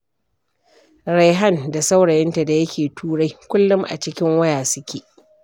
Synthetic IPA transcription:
ɾa˦jɦa˦nda˨sa˦wɽɐ˨jɪ˦nta˨da˨jɐ˦kʲeː˨tʰuː˦ɽa˦jkʷʊ˦lːʊ˦mʔa̰˨t͡ʃɪ˦kʲɪ˦ŋwɐ˦jaː˨sɪ˦kʲeː˨

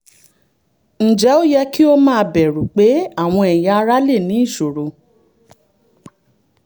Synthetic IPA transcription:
n̩˨d͡ʒɛ˨˦o˦jɛ˧ki˦o˦mãː˦˧bɛ˨ɾu˨k͡pe˨˦a˦˨w̃ɔ̃˧ɛ˨ja˦˧ɾa˦le˦˨nĩ˨˦i˦˨ʃo˨ɾo˨˧

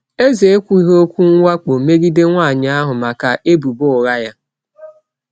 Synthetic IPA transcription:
e˦ze˨e˦kʷu˦i˦ɦo˦kʷu˦ŋ̩ʷ˦a˦k͡po˨me˦ɡi˦de˦ŋʷa˦˨ɲɪ˨˦a˦ɦʊ˨ma˨ka˨ʔe˦bu˨bʊ˦˨ɣa˦ja˦

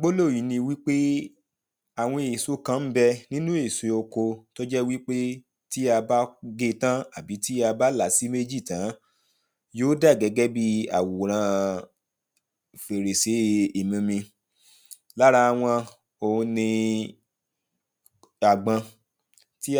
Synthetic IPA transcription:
ɡ͡bo˦lo˦˨ji˨˦nĩ˧wi˦k͡pe˦ | a˨w̃ɔ̃˧e˨so˨˦kã˨˧˦m̩˦bɛ˦nĩ˦nũ˦e˦˨se˨˧o˧ko˧to˦d͡ʒɛ˦wi˦k͡pe˦ | ti˦a˧ba˦ɡe˦˨tã˦a˦˨bi˨˦ti˦a˧ba˦la˨si˦me˦d͡ʒi˦˨tã˨˦ | joː˦da˦˨ɡɛ˨˧˦ɡɛ˦bi˦a̰˦˨wo˨ɾ̃ã˧˨ | fe˨ɾe˨se˨˦i˨mĩ˧mĩ˧ | la˦ɾa˧a˧w̃ɔ̃˧ | õ˧nĩ˧ | a˨ɡ͡bã˧ | ti˦

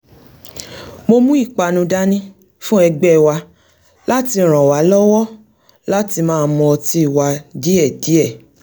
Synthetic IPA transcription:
mo˧mũ˦i˦˨k͡pa˧nũ˧da˦nĩ˦ | fũ˦ɛ˧ɡ͡bɛ˦˨wa˧ | la˦ti˧˨ɾ̃ã˨wa˨˦lɔ˦wɔ˦ | la˦ti˧mãː˦˧mɔ̃˧ɔ˧ti˧˦i˦˨wa˧di˨˦ɛ˦˨di˨˦ɛ˦˨

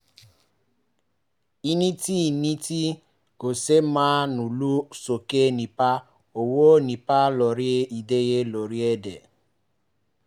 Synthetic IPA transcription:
i˦ni˦ti˦˨ni˦ti˦ | ɡo˨se˦maː˦nu˨lu˦so˨ke˦˨ni˨pa˦ | o˨wo˦˨ni˨pa˦lɔ˨ɾi˦e˦i˨de˦je˦lo˨ɾi˦e˦dḛ˨

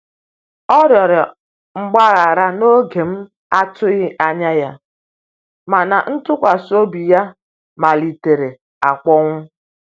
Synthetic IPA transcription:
ɔ˦ɾjɔ˨ɾɔ˨ | ŋ͡m̩˨ɡ͡ba˦ɣa˨ɾa˦no˦ɡe˨m̩˦ | a˦tʊ˦ɣɪ˦ʔa˦ɲa˦ja˦ | ma˨na˨n̩˦tʊ˦kʷa˨so˦bi˨ja˦ | ma˨li˨te˨ɾe˨ | a˨k͡pɔ˦ŋʷʊ˦

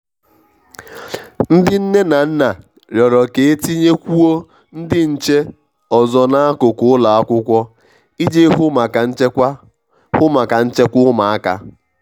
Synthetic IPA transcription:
n̩˦dɪ˦n̩˦ne˦na˨n̩˦na˨ | ɾjɔ˨ɾɔ˨ke˨e˦ti˦ɲe˦kʷu˦o˦ | n̩˦dɪ˦n̩˨t͡ʃe˦ | ɔ˨zɔ˨na˦a˦kʊ˨kʊ˦ʊ˦la˨a˦kʷʊ˦kʷɔ˦ | i˦d͡ʒe˦ɦʊ˦˨˦ | hʊ˦ma˨ka˨n̩˦t͡ʃe˦kʷʊ˦ma˨a˦ka̰˦

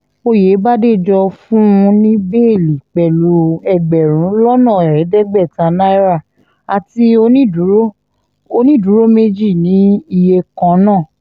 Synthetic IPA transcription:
o˧je˨˦ba˦de˦˨d͡ʒɔ˧fũ˦ũ˧nĩ˦be˦e˦˨li˨k͡pɛ˨lu˧ɛ˧˨ɡ͡bɛ˨ɾ̃ũ˨˦lɔ˦nã˦˨ɛ˨ɾɛ˨˦dɛ˦ɡ͡bɛ˦˨tã˨˦na˦i˦ɾa˦˨ | a˨ti˧o˧nĩ˦du˨˦ɾo˦ | o˧nĩ˦˨du˨˦ɾo˦me˧d͡ʒi˦˨nĩ˨˦i˧je˧kã˧˦nãː˦˨

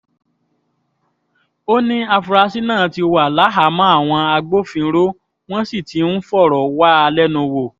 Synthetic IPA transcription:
o˦nĩ˦a˧fu˧ɾa˧si˦nãː˦˨ti˧o˧wa˨la˨˦ɦa˨˦mã˦a˦˨w̃ɔ̃˧a˧ɡ͡bo˦˨fĩ˧˦ɾo˦ | w̃ɔ̃˦si˦˨ti˨˦n̩˦fɔ˦˨ɾɔ˨wa˦a˧lɛ˦nũ˧wo˨

